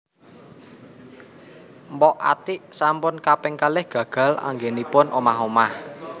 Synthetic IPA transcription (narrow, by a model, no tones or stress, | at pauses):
mbɔʔa̰t̪iʔsampʊnkapɛŋkalɪhɡ̥ä̤ɡ̥a̤la̰ŋɡenipʊnʔomaɦomah